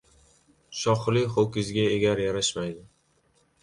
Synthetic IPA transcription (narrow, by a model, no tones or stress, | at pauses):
ʃɒχlɪχokʲɪzɡʲaeɡʲaɾjaɾaʃmajd̪ɪ